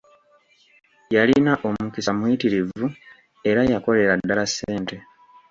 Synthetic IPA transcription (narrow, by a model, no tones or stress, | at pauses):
jalinaʔo̞mukisamwitiɾivu | e̞ɾajako̞le̞ɾadːalasːeːnte̞